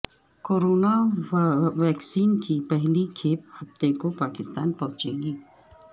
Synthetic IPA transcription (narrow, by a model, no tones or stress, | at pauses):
koːɾoːna | ʋɛːksiːnkipɛɦlikʰeːp̚hɐft̪ekopaːkɪst̪aːnpɐ̃ɦʊ̃t͡ʃeːɡiː